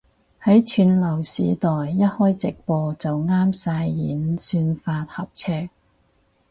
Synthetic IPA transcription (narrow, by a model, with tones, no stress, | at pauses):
hɐ˨˥jt͡ʃʰyː˨˧nlɐ˨˩wsiː˨˧t̪ɔː˨jːɐ˥t̚hɔː˥jt͡sɪ˨k̚pɔː˧t͡sɐ˨wŋaː˥msaː˧jːiː˨˥nsyː˧nfaː˧t̚hɐ˨p̚t͡sʰɛː˥k̚